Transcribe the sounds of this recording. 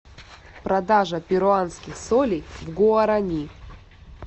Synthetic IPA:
pɾɐd̪aʐɐpʲɪɾʊanskʲɪxsolʲijvɡoɐɾɐnʲi

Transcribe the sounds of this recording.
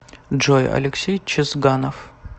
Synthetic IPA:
ʐojɐ̰lʲɪksʲejt͡ɕʰɪzɡanof

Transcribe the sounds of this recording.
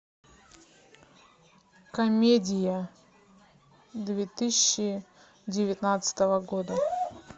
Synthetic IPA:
kɐmʲedʲɪjə | d̪vʲet̪ɨsʲɪɕːɪ | dʲɪvʲɪt̪nat̪sɨ̥t̪əvəɡod̪ə

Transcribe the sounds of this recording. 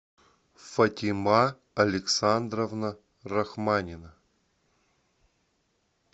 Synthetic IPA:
fɐtʲɪma | ɐlʲɪksand̪ɾəvnə | rɐxmanʲɪnə

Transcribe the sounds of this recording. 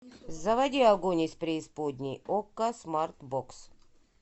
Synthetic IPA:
zɐvɐd̪ʲiɐɡonʲisʲpɾʲɪːspod̪ʲnʲijokːɐsmart̪boks

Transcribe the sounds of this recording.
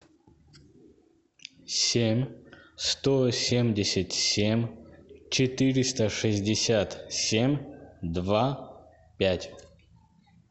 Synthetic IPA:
sʲemʲst̪osʲemdʲɪsʲɪtʲsʲemʲt͡ɕɪt̪ɨɾʲɪst̪əʂɨzʲdʲɪsʲat̪sʲemʲd̪va | pʲætʲ

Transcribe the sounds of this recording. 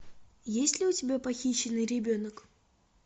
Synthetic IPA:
jesʲlʲɪʊtʲɪbʲapɐxʲiɕːɪnɨjɾʲɪbʲonək

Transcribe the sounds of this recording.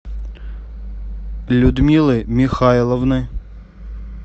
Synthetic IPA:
lʲʊd̪mʲilˠɨmʲixɑlˠɔwnɨ

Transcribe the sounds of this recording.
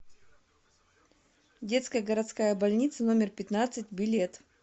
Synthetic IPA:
dʲe̞t̪skəjəɡəɾɐt̪skajəbɐlʲnʲit̪səno̞mʲɪrpʲɪt̪nat̪sɨt̚ʲbʲɪlʲet̪

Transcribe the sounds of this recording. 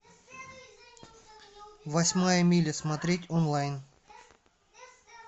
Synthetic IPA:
vɐsʲmajəmʲilʲəsmɐt̪ɾʲetʲonlˠajn

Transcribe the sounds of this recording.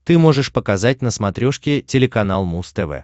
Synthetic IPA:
t̪ɨmo̞ʐɨʂpəkɐzat̚ʲnəsmɐt̪ɾʲo̞ʂkʲɪtʲɪlʲɪkɐnalˠmust̪ɛvɛ̰

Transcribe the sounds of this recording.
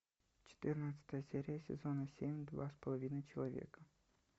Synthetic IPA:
t͡ʃe̥t̪ɨrnət̪sə̥t̪əjəsʲeɾʲijəsʲḛzo̞nasʲemʲd̪va̰spolˠovʲinɐt͡ʃelˠovʲḛkɐ

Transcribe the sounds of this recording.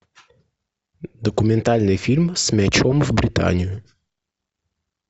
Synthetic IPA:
d̪əkʊmʲɪnt̪alʲnɨjfʲilʲmsʲmʲɛt͡ɕomvbɾʲɪt̪a̰nʲɪjʊ

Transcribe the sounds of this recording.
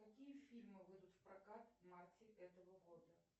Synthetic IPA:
jakʲijɐfʲilʲmɨvɨd̪ut͡sʲwpɾakat̪mart͡sʲɛɣɛt̪ɐɣɐɣɔd̪ɐ

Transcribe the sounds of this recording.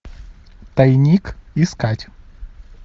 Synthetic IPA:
t̪ɐjnʲikɪskatʲ

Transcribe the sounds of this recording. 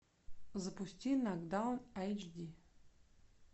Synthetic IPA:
zəpusʲtʲinaɡd̪anajt͡ʃd̪ʲi

